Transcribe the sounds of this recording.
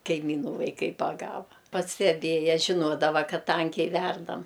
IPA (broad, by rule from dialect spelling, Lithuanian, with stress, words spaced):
kɐɪˈmʲiːnuː ʋɐɪˈkɐɪ pɐˈɡɑːʋɐ pɐsʲtʲɛˈbʲeːjɛ ʒʲɪˈnoːdɐʋɐ ˈkɐt ˈtɐŋʲkʲɛɪ ˈʋʲɛrdɐm